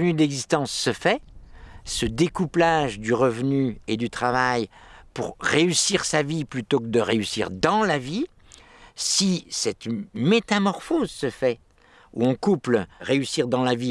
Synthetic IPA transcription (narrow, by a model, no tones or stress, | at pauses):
vnyd̪ɛɡzist̪ɑ̃sːəfɛ | səd̪ekuplaʒd̪yʁəvnyed̪yt̪χavaj | puʁʁeysiʁsaviplyt̪okəd̪əʁeysḭʁd̪ɑ̃lavi | sisɛt̪met̪amɔʁfozsəfɛ | ṵɔ̃kupləʁeysiʁd̪ɑ̃lavi